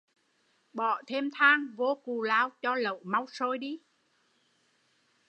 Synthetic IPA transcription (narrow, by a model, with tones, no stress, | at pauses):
ɓɔ˧˨t̪ʰe˧mt̪ʰaː˧ŋvo˧ku˨˩laː˧wt͡ɕɔ˧lə̰˧˨wma˧wsoː˧jɗi˧